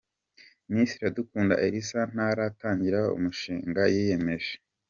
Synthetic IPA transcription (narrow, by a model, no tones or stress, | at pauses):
nisɾiadukuːnda̰ʔeɾisan̥aɾataːɲɟiɾaoṵmuʃiːŋɡajije̞me̞ʒe